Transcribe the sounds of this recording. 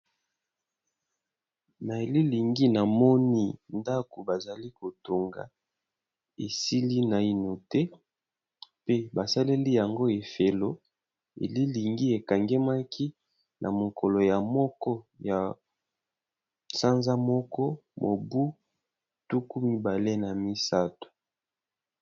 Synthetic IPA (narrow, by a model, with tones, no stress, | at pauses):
na˨e˨li˦li˨ŋɡi˦na˨mɔ˦ni˦nda˦ko˨ba˨za˨li˦ko˨to˨ŋɡa̰˨ | e˨si˦li˦na˨i˦no˨tɛ˦ | pe˦ba˨sa˦le˦li˦ja˨ŋɡo˦e˨fe˨lo˦ | ḛ˨li˦li˨ŋɡi˦e˨ka˨ŋɡɛ˦ma˦kʰi˦ | nʔa̰˨mo˨kʰo˨lɔ˨ja˨mɔ˦kɔ˦ja˨ | sa˦nza˦mɔ˦kɔ˦mʔo˨bu˦ | tu˦ku˦mi˦ba˨le˦na˨mi˦sa˦to̥˨